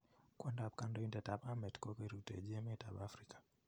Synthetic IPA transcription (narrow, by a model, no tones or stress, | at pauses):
kwandab̚kandɔindɛtaɓamɛtkɔkɛɾitɛ̰ʄɛmɛta̰ɓafɾikḁ